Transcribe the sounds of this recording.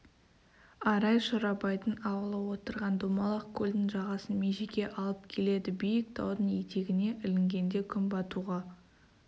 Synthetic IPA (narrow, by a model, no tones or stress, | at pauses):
ɑɾɑjʃʊɾɑpɑjt̪ənɑwəlˠəwo̞t̪əɾʁɑnd̪omɑlˠɑqkʲʰɵlʲd̪ɪŋʒɑʁɑsənmeʒekʲe̞ʔɑlˠəp̚kʲʰe̞le̞d̪ɪbijɪk̚t̪ʰɑwd̪ənet̪e̞ɡʲɪne̞ʔɪlɪŋɡʲe̞nd̪e̞kʲʰʏmbɑt̪uʁɑ